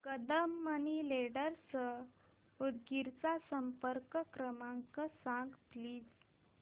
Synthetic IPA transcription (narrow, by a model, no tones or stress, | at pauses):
kəd̪əmːanileɽəɾsə | uɽɡiɾt͡sasəmpəɾkəkɾəmãŋkəsãŋɡpliːd͡z